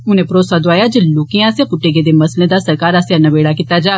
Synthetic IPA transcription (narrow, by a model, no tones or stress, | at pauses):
ʊnẽpɾoːsad̪ʊaːjaːd͡ʒeloːkeãaːsjãpʊʈːeɡed̪eːmɐslẽd̪asəɾkaːɾasjanɐʋeːɽakit̪ːad͡ʒaː